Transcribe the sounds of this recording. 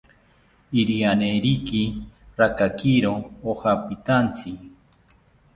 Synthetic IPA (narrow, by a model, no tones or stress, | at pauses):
iɾianeɾikiɾakakiɾoohapit̪ant͡si